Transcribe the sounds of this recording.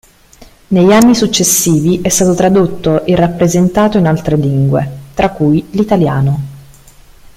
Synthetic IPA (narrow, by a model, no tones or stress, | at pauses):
nejanːisut͡ʃːesːiːviʔɛst̪aːt̪ot̪ɾad̪ot̪ːoʔirːapːɾezent̪aːt̪oinalt̪ɾeliŋɡwḛt̪ɾakːujlit̪alja̰ːno